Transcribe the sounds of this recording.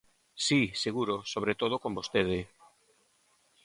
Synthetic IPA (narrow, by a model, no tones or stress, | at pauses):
siseɣuɾosoβ̞ɾet̪oð̞okombost̪eð̞e